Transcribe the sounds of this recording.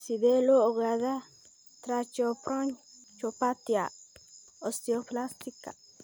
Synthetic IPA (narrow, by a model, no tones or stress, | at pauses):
sid̪eloʔoɣaða | t̪ɾat͡ʃopɾoɲ | t͡ʃopat̪ja | ost̪ioplast̪ika̰